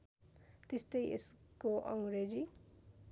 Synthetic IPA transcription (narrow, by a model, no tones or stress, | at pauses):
t̪est̪ʌjḛskoʔʌ̰w̃ɾed͡zi